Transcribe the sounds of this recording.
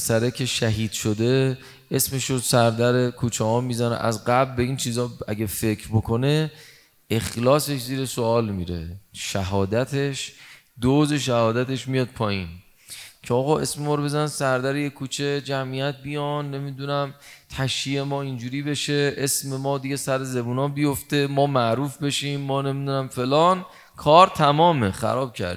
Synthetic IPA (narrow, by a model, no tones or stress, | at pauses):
sæɾekʰe̞ʃæɦiːd̪̥ʃod̪e̞ | esme̞ʃosæɾd̪æɾekʰuːt͡ʃʰehɒːmizænḛʔæ̰zɢæblbe̞iːnt͡ʃʰiːzɒːæɟʲæfe̞kʰɾbokʰo̞ne̞ | exlɒːse̞ʃziːɾe̞soɒːlmiːɾe̞̰ʃæɦɒːd̪æt̪ʰe̞ʃ | d̪oze̞ʃæhɒːd̪æt̪ʰe̞ʃmijɒːd̪̥̚pʰɒːjiːn | cʰeɒːɣɒːʔe̞smemɒːɾobe̞zænsæɾd̪æɾejekʰuːt͡ʃʰed͡ʒæmʔijæt̪̚bijɒnːe̞mid̪unæmt̪ʰæʃie̞mɒːind͡ʒuːɾiːbe̞ʃe̞esme̞mɒːd̪iɡe̞sæɾezebunɒːbijoft̪e̞mɒːmæʔɾuːfbe̞ʃimːɒːne̞mid̪unæmfe̞lɒːn | kʰɒːɾt̪ʰæmɒːme̞xæ̰ɾɒːb̥̚cʰæ̰ɾd̪i